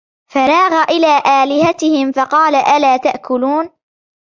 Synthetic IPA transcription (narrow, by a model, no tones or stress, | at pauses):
fɑɾˤɑːɣaʔɪlaːʔaːlɪhat̪ɪhɪmfɑqɑːlaʔalaːt̪aʔkʊluːn